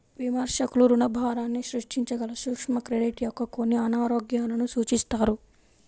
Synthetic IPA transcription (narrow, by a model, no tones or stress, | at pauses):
ʋimɐɾʃɐkuluɾunɐbʱaːɾaːnːiʃɾuʂʈiɲt͡ʃɐɡɐlɐʃukʂmɐkɾeɖiʈijokːɐkonːiɐnaːɾoːɡjaːnɐnusuːt͡ʃist̪aːɾu